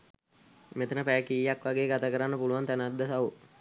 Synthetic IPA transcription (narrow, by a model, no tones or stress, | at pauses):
met̪ənəpækijːakʋaɡeːɡat̪akəɾanːəpuluant̪ænad̪ːəsaʋu